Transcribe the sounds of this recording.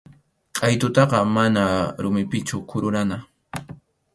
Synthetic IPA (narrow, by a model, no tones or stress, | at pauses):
qʼɑjt̪ʊt̪ɑqɑmanaɾʊmɪpɪt͡ʃʊkʰʊɾʊɾana